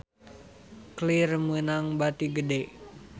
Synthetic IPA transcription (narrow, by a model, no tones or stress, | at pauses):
klirmunaŋbat̪iɡədeʔ